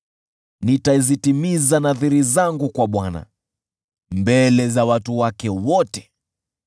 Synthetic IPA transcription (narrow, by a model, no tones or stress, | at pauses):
nitaizitimizanaθiɾizaŋɡukwaɓwana̰ | mbɛlɛzawatuwakɛwɔtɛ̥